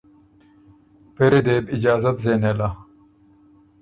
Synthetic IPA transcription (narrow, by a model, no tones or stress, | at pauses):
peɾed̪eːbid͡ʑaːzɐt̪zeːneːla